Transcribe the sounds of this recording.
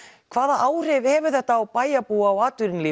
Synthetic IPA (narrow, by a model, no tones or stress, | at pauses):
kʰvaːðaʔaːwr̥ɪvhɛːvʏ̥θɛht̪aːwpaːjapuːaawaːt̪ʏɾinliː